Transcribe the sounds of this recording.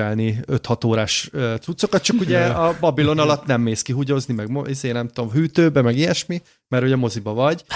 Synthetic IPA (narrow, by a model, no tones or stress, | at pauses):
ɛlniøt̪hɒt̪oːɾaːʃøt̪sut̪so̞kɒt̪̚t͡ʃɒkuɟɛɒbɒbilo̞nɒlɒt̪nɛmːeːskiɦuɟo̞znimɛɡmoizeːnɛmt̪ud̪o̞mhyːt̪øːbɛmɛɡijɛʃmi | mɛɾhoɟɛmo̞zibɒvɒɟ